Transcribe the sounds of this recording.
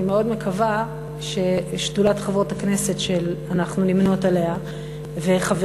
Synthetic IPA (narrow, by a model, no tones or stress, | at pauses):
meo̞dme̞kʰava | ʃe̞ʃtulatχavʁotakne̞se̞tʃelanaχnunimno̞tale̞a | ve̞χav